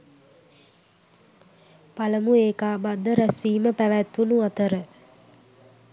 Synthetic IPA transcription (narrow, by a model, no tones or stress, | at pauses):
paləmueːkaːbad̪ːəɾæsʋiːməpæʋæt̪ːunuat̪əɾə